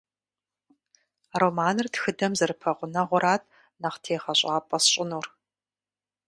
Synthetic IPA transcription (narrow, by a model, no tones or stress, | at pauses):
roːmaːnɨrtxɨdɐmzɨrɨpʰɐʁʷʊnɐʁʷʊɾaːtʰʼ | nɐχtʰeːχɐɕʼaːpʼɐsɕʼɪnuːr